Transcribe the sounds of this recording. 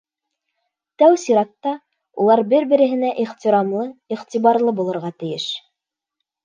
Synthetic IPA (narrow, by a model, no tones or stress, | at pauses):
t̪æwsiɾɑt̪ːɑ | ṵlˠɑɾbɘɾbɘ̆ɾɘ̆ɦɘ̆næʔiχt̪ʲiɾɑmlˠɤiχt̪ʲiβɑɾlˠɤbulˠɤ̆ɾʁɑt̪ɘ̆jɘʃ